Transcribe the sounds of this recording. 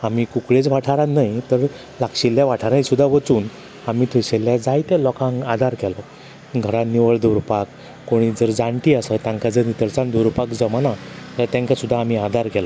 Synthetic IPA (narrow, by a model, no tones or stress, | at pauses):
amiːkukɭet͡sʋaʈʰaɾanajt̪əɾ | lakɕiljaʋaʈʰaɾãjsud̪ʱːaʋət͡suːn | amiːt̪ʰuɕeljad͡zajt̪ɛlɔkãŋɡad̪ʱaɾkɛlɔ | ɡʱəɾaniʋəɭd̪oɾpakː | oɽ̃iːd͡zəɾd͡zãɳʈ̪iːəsət̪ãŋkad͡zəɾnit̪əɾt͡sãnd̪oɾpakd͡zəmanat̪əɾt̪ãŋkasud̪ʱːaːm̤iad̪ʱaɾkɛlɔ